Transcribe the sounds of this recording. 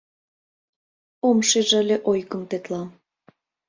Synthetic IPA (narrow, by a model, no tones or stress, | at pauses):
omʃeʒəlʲeʔojkə̆mt̪et̪lɑm